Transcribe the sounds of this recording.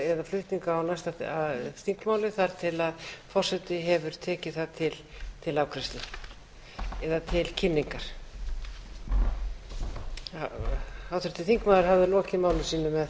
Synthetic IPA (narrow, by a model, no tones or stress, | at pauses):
ɛðaflʏht̪niŋkaawnajst̪aaθiŋkmaːwlɪθaɾ̥t̪ʰɪlaðfɔr̥sɛt̪ɪɦɛvʏɾ̥t̪ʰɛːcɪθaðt̪ʰɪlt̪ʰɪlaːwkʰɾɛst̪lɪ | ɛðat̪ʰɪlcʰɪnːiŋkaɾ̥ | awt̪ʏɾt̪ɪθiŋkmawðɪɾ̥ɦavðɪlɔːcɪmaːwlɪsiːnʏmɛð